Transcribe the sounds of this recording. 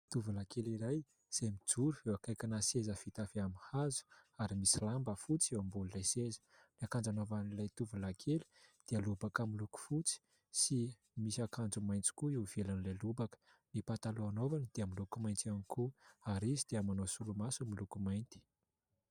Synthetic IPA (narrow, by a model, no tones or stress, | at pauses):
t̪uvulakeliɾaj | z̥emid͡zuɾuewakajkanasezəfit̪afiamihazu̥aɾimisilambəfut͡siewambulilajsezə̥niakand͡zanovanilajt̪uvulakʰeli̥d̪̥ealubakamiluku̥fut͡si̥ | si | misakand͡zumajnt͡si̥kuiwv̥elanilalubakə̥ | nipat̪aluanovanid̪̥eamilukumajnt͡s̪ianikuaɾizid̪̥eamanosulumasumilukumajnt̪i̥